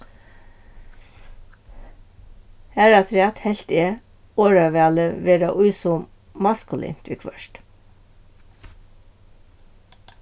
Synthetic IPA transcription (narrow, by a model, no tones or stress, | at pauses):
hæːɾɑt̪ʰɾɛɑt̪hɛlt̪ɪə | oːɹɑʋɛɑləʋeːɾɑʔʉːsʊ | mɑskʉlḭːnt̪ʰʋḭkʰʋœ̰ʃʈ